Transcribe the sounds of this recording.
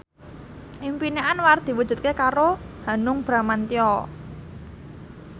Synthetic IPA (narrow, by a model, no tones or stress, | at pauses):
ʔimpineʔanward̪̥i̤wud̥ʒ̥ṳt̪̚kekaɾoha̤nʊŋb̥ɾamant̪iɔ